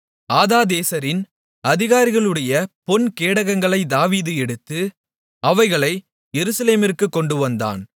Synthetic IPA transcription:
aːðaːd̪eːsɐɾɪn | ɐðɪɣaːɾɪɣɐɭɯɽɐjɐpɔnkeːɽɐɣɐŋɡɐɭɐɪd̪aːʋiːðɯɛɽɯt̪ːɯ | ɐʋɐɪɣɐɭɐɪ | jɛɾɯsɐleːmɪrkɯkːɔɳɖɯʋɐnd̪a̰ːn

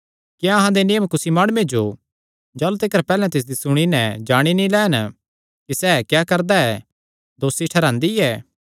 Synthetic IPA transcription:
kijãɐɦãd̪enɪjəmkʊsimaːɽ̃ʊmẽd͡ʒo | d͡ʒaːlut̪ɪkəɾpɛːlɛ̃t̪ɪs̬d̪isʊɽ̃inɛd͡ʒaːɽ̃inĩlɛːn | kisɛːkjaːkɐɾd̪aɛ | d̪oːsiʈʰɐɾãːnd̪iɛː

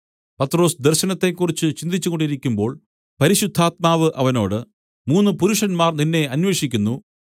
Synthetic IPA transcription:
pɐt̪ːro̞ːsd̪erɕɐnɐt̪ːe̞kːurit͡ɕːɨt͡ɕind̪it͡ɕːukoɳɖiɾikʲːumbo̞ːɭ | pɐɾiɕud̪ʱːaːt̪̚maːʋɨʔɐʋɐno̞ːɽɨ | muːnːɨpuɾuʂɐnmaːrninːe̞ɐnwe̞ːʂikʲːunːu

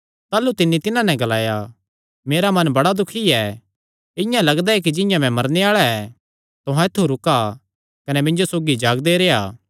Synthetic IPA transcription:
t̪aːlut̪ɪnːit̪ɪnãnɛ̃ɡɐlaːja | meːɾamɐ̃nbɐɽad̪ʊkʰiɛ | ɪ̃jãlɐɡd̪aɛk̬id͡ʒɪ̃jãmɛ̃mɐɾneaːɭaɛ | t̪ʊɦãɪt̪ʰːuɾʊka | kɐnɛmɪ̃nd͡ʒosoːɡid͡ʒaːɡd̪eɾeːaː

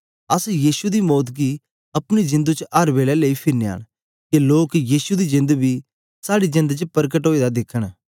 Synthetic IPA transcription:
ɐsjiːsud̪imɔːt̪ɡi | ɐpɽ̃izɪ̃nd̪ut͡ʃʔɐɾbeːlɛleipʰɪɾneja̰ːɽ̃ | keloːkjiːsud̪id͡ʒɪ̃nd̪bʱi | saːɽid͡ʒɪ̃nd̪t͡ʃəpəɾkəʈɦoːid̪ad̪ɪkʰəɽ̃

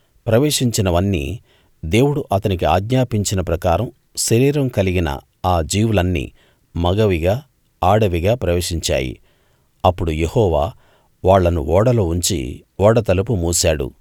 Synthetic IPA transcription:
pɾɐʋe̞ːʂiɲt͡ʃinɐʋɐnːḭː | d̪e̞ːwuɽuʔɐt̪ɐnik̬iaːɡɲaːpiɲt͡ʃinɐpɾɐkaːɾɐm | ʃɐɾiːɾɐmkɐliɡinɐ̰ | aːd͡ʒiːwulɐnːḭː | mɐɡɐʋiɡaː | aːɽɐʋiɡaːpɾɐʋeːʂiɲt͡ʃa̰ːjḭ | ɐpːuɽuje̞hɔːʋa̰ː | ʋaːɭːɐnṵɔːɽɐloːuɲt͡ʃḭ | ɔːɽɐt̪ɐlup̬umuːsaːɽṵ

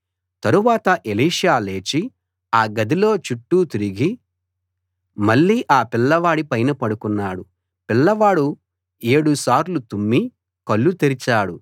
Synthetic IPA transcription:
t̪ɐɾuʋaːt̪ɐʔeliːʂaːle̞ːt͡ʃi | aːɡɐd̪ilo̞ːt͡ʃuʈːuːt̪iɾiɡi | mɐɭːiːʔaːpilːɐʋaːɽipɐjnɐpɐɽukunːaːɽu | pilːɐʋaːɽu | eːɽusaːɾlut̪umːi | kɐɭːut̪eɾit͡ʃaːɽu

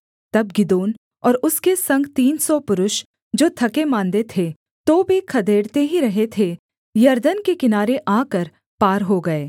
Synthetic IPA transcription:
t̪ɐbɡɪd̪oːn | ɔːɾʊskesɐ̃ŋɡt̪iːnsɔpʊɾʊʃ | d͡ʒoːt̪ʰɐkemãːnd̪et̪ʰe | t̪oːbʱikʰɐd̪eːɽt̪eɦiɾɐɦet̪ʰe | jɐɾd̪ənkekɪnaːɾeʔaːkəɾ | paːɾɦoɡɐeː

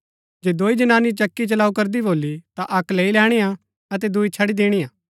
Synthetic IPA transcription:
d͡ʒeːd̪oːid͡ʒɐnaːnit͡ʃɐkːit͡ʃɐlaːukɐɾd̪iboːlit̪aʔɐkleːilɛːɽ̃ejã | ɐt̪ɛd̪uit͡ʃʰɐɽid̪eːɽ̃ijãː

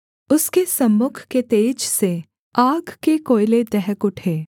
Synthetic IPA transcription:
ʊskesɐmːʊkʰket̪eːd͡ʒse | aːɡkekoːɪled̪ɛɦkʊʈʰeː

